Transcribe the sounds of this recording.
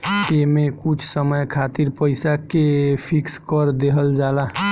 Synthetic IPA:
emekut͡ʃʰsəməjkʰat̪iɾpəjsakepʰikskəɾd̪eɦəld͡ʒala

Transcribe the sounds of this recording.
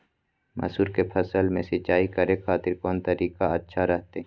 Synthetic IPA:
mɐ̰suːɾkepʰɐsəlmẽsɪt͡ʃaːikɐɾẽkʰaːt̪ɪɾkɔːnt̪ɐɾiːkaɐtːʃʰaɾɛɦt̪e

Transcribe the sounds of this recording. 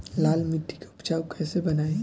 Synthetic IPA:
laːlmɪʈʰːi̥keʊpt͡ʃaːukɛːsebɐnaːe

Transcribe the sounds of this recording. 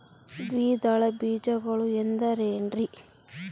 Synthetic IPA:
d̪ʋiːd̪ɐɭɐbiːd͡ʒɐɡɐɭuend̪ɐɾeːɳɖɾi

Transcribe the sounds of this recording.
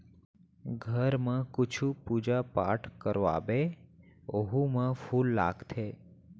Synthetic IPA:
ɡʱəɾmãkʊt͡ʃʰupud͡ʒapa̰ʈʰkəɾʋa̰be | oɦumãfulːa̰ɡt̪ʰe

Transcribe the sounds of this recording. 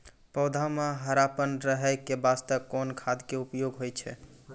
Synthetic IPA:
pəwd̪ʱameɦəɾapənɾəɦəkebast̪əkːɔnkʰad̪keupjoɡɦojt͡ʃʰɛ

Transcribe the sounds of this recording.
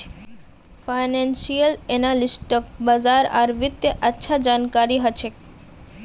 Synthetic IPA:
fajnensijəlenalisʈək̚bəzaɾa̰ɾʋɪt̪jəʔətːʃʰad͡ʒankaɾiɦət͡ʃʰe

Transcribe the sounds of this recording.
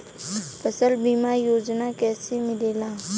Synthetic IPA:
pɐsəlbiːmajoːd͡ʒnakɛːsemɪleːlaː

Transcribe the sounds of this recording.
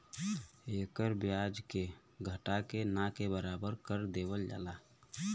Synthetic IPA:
ekəɾbjad͡ʒke | ɡʱəʈakenakebəɾabəɾkəɾd̪ebəld͡ʒa̰la

